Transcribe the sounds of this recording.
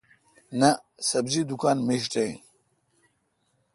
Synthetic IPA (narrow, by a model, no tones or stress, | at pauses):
nɐsɐbzid̪ukaːnmiɕʈej̃